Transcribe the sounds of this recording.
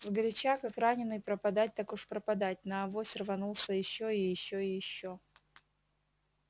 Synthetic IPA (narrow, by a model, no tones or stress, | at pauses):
zɡəɾʲɪt͡ɕakakɾanʲɪnɨjpɾəpɐd̪at̚ʲt̪akʊʂpɾəpɐd̪at̚ʲnɐːvosʲrvɐnulˠsʲəjɪɕːoiɪjɪɕːoɪjɪɕːo